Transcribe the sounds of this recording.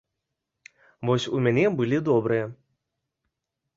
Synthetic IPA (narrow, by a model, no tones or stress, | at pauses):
vɔsʲumʲanʲɛbɨlʲid̪ɔbɾɨjɛ